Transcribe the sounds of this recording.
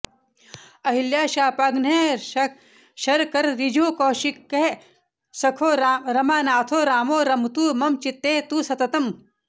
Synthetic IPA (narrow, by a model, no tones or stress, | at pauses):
ɐɦiljaːʃaːpɐɡneː | ʃɐɾkɐɾɾid͡ʒoːkoːʃikːeɦe | sɐkʰoːɾɐmaːnaːt̪ʰoːɾaːmoːɾɐmt̪uːmɐmt͡ʃit̪ːeːt̪uːsɐt̪ɐt̪ɐm